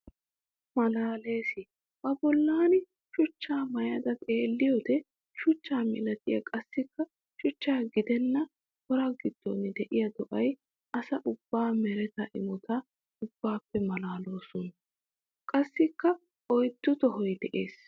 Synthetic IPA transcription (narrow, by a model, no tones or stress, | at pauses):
mɐlaːle̞ːsɪ | bɐbɔlːaːnɪ | ʃʊt͡ʃːaːmɐjɐd̪ɐt̪ʼe̞ːlːɪjɔd̪ɛ | ʃʊt͡ʃːaːmɪ̰lɐt̪ʼɪjɐ̰kʼɐsːɪkːɐ | ʃʊt͡ʃːaːɡɪd̪ɛnːɐ | kɔɾaɡɪd̪̥ːɔnɪd̪ɛʔɪjɐd̪ɔʔɐj | ʔɐsɐʔʊb̥ːaːmɛɾɛt̪ɐʔɪmʊt̪ʰɐ | ʊbːaːpːɛmɐlaːlo̞ːsʊn | kʼɐsːɪkːɐ | ɔjt̪ːʊt̪ɔɦɔjd̪ɛʔe̞ːs